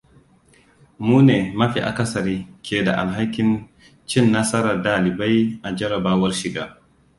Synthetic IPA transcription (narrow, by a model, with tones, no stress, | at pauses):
muː˦neː˨mɐ˦ɸḭ˨ʔa̰˨kɐ˦sɐ˨ɾiː˦kʲeː˨da˨ʔa̰˨lɦa˦kʲːɪ˨n | t͡ʃɪ˦nːa˦sɐ˦ɾɐ˨daː˨lɪ˨ba˦jʔa˨d͡ʒɐ˦ɾɐ˨baː˦wɐ˦rʃɪ˨ɡaː˦